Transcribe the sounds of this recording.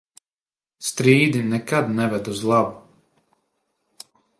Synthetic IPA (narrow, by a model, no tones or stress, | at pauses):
st̪ɾiːd̪inɛkad̪nɛvɛd̪uzlˠabu